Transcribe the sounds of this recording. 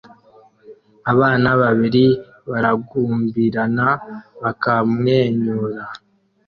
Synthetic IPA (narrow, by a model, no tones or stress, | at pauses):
aβaːnaβaβiɾi | βaɾaɡuːmbiɾanaβakamŋe̞ːɲuɾa